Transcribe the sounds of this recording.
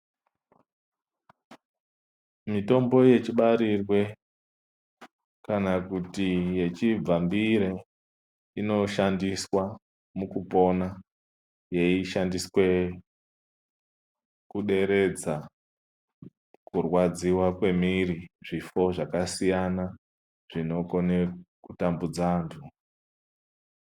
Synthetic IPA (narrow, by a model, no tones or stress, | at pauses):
mito̞mbo̞je̞t͡ʃiɓaɾirwe̞ | kanakutije̞t͡ʃib͡vambiɾe | ino̞ʃandiswa | mukupo̞na | je̞iʃandiswe̞ | kuɗe̞ɾe̞d͡za | kurwad͡ziwakwe̞miɾiʐifo̞ʐakasijana | ʐ̥ino̞ko̞nekutambud͡zaːntʰu